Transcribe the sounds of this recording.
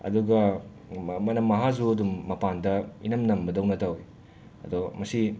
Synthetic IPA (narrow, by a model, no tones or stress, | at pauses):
ɐ̰duɡɐ | mɐnɐmːɐɦazuɐdumːɐpandɐḭnɐmnɐmbɐdɐwnɐtawj | ɐ̰dɔmɐsi